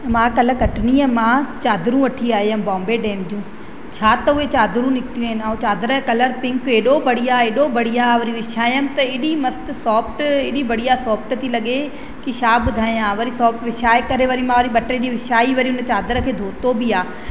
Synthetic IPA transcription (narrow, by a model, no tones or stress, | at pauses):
mãːkɐləkɐʈniəmãːt͡ɕaːd̪ɾũʋɐʈʰiaːɦeɐbɔ̃ːmbeɖɛːmd̪ijũː | t͡ɕʰaːt̪ɐʊet͡ɕaːd̪ɾũnɪkt̪ijũːɪnɪaːũt͡ɕaːd̪ɾkɐləɾpɪ̃ŋkeːɗobɐɽiaːeːɗobɐɽ̤ijaːʋɐɾĩʋɪʃaːəmt̪ɐɪːɗimɐst̪sɔːpʈɪːɗibɐɽ̤ijaːsɔːpʈt̪ʰilɐɠe | kiʃaːbʊd̪ʱaːĩj̃aːʋɐɾisɔːp̚ʈʋɪʃaːekɐɾeʋɐɾimãːʋɐɾiɓɐʈeɗiʋɪʃaːiʋɐɾiʊnət͡ɕaːd̪ɾəkʰeːd̪ʱoːt̪obiaː